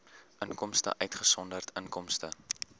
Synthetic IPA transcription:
ʔəŋkɔmstə̰ʔœɥtχəsɔndərtʰəŋkɔmstə

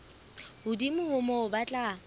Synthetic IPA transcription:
hʊdimʊhʊmɔʊbat͡ɬʼa

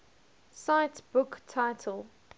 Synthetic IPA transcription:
saɪtb̥ʊktʰaɪtʰəlˠ

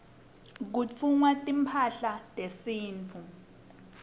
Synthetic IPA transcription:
k̬ut͡fʰuŋwatʼimpʰaɬatʼesiːnt͡fʰu

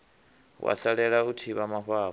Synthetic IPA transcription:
wʔa̰ɬaɺɛɺautʰiβamaɸaː

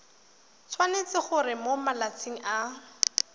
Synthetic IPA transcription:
t͡sʰwanet͡sɪχʊrɪmomalat͡sʰiŋ̩ʔa

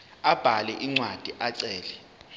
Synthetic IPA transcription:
ab̥ʱalɛʔiŋ͡ǀwad̥ʱiʔaǀɛːlɛ

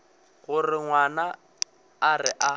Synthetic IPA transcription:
ɣʊrɪŋwanaː | rɪʔa

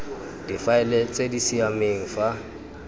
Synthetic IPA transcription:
d̥ifaɛlet͡sʼedisiameŋ̩fa

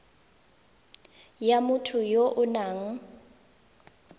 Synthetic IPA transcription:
jamʊtʰʊjoʔʊnaːŋ̩

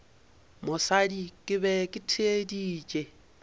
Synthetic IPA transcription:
musalikʼɪβɛkʼitʰediːt͡ʃʼe

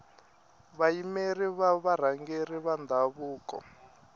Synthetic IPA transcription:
βaimeriβaβaɾ̤aŋɡeriβand̪ʱaβuːkɔ̰

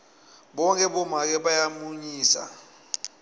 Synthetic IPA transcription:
ɓɔŋkʼɛɓɔmak̬ɛɓajamuɲiːsa̰

